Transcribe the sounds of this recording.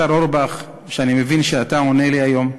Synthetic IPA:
aɾoɾbaχ | ʃeanimevinʃeat̪ao̞neliajo̞m

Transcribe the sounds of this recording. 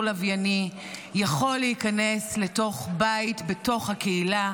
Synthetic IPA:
lavjani | jaχo̞lːeikane̞sle̞to̞χbajitbe̞to̞χhake̞ila

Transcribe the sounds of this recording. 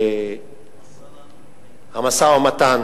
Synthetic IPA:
amasawamatan

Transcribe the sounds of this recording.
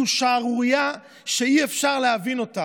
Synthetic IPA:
uʃaːʁuʁija | ʃeiefʃaʁlehavino̞ta

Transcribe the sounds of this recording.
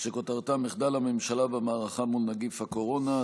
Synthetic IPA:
ʃekot̪aʁt̪ameχd̪alamemʃalabamaːʁaχamulnaɡifhako̞ʁo̞na

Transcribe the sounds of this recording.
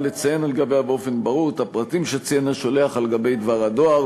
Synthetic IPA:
let͡sajenalɡabejabeo̞fe̞nbaʁuʁt̪hapʁat̪imʃet͡sijenaʃo̞le̞aχalɡabe̞jd̪vaʁad̪o̞aʁ

